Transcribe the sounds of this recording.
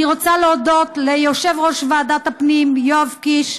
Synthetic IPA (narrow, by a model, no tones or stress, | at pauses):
iʁot͡saleodo̞t̪lejoʃe̞vʁo̞ʃveadat̪hapnimjoavkiʃ